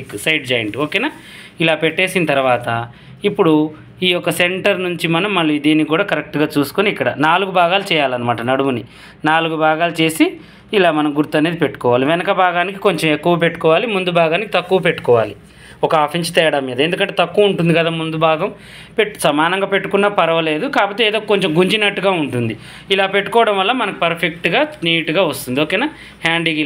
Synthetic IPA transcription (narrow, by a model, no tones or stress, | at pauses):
kːsɐjɖ̚d͡ʒɐjɐɳʈoːkeːnaː | ilaːpe̞ʈːe̞ːsinɐt̪ɐɾuʋaːt̪ɐ | ipːuɽu | iːjɔkːɐse̞ɳʈɐɾnuɲt͡ʃimɐnɐmːɐɭːuid̪eːnikuːɽaːkɐɾek̚ʈuɡaːt͡ʃuːsu̥koniːkːɐɽɐ̰naːluɡubʱaːɡaːlut͡ʃɛːjaːlɐnɐmaːʈɐnɐɽuuni | naːluɡubʱaːɡaːlut͡ʃe̞ːsiː | laːmɐnɐmɡuɾt̪ːɐneːd̪ipe̞ʈːu̥kɔːʋaːliʋenɐkɐbʱaːɡaːniki̥ko̞ɲt͡ʃemekːuʋɐpe̞ʈːu̥kɔːʋaːlimund̪ubʱaːɡaːniki̥t̪ɐkːuʋɐpe̞ʈːu̥kɔːʋaːli | ɔkɐaːpʰinsi̥t̪ɛːɐɽaːmːiːd̪ɐe̞nd̪ukɐɳʈet̪ɐkːuɐuɳʈund̪ikɐd̪aːmund̪ubʱaːɡɐm | pe̞ʈːu̥sɐmaːnɐŋɡaːpe̞ʈːukunːaːpɐɾɐʋɐle̞ːd̪ukaːpot̪ːeːd̪oːkkoɲt͡ʃemɡuɲd͡ʒinɐʈːuɡaːuɳʈund̪i | ilaːpeʈːu̥kɔːɐɽɐmʋɐlːɐmɐnɐku̥pɐɾpʰek̚ʈɡaːsniːʈuɡaːʋɐst̪und̪ioːkeːnaː | haːɳɖiɡi